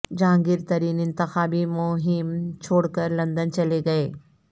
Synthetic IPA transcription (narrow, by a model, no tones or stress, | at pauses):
d͡ʑãːŋɡɪɾt̪ɐɾiːnɪ̃nt̪ɪxaːbimoɦɪmt͡ɕʰoːɽkɐɾlɐ̃nd̪ənt͡ɕɐleɡɐeː